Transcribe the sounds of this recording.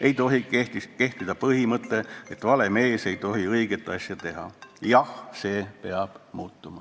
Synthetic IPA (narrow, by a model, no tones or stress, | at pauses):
e̞jt̪o̞ɦiet̪ike̞ht̪id̪ɑpɤɦimɤt̪ːˑe̞et̪vɑle̞me̞ːse̞jt̪o̞ɦiɤiɡet̪ːˑɑsjɑt̪e̞ɦɑ̰jɑhse̞ːpe̞ɑb̥muːt̪ːˑumɑ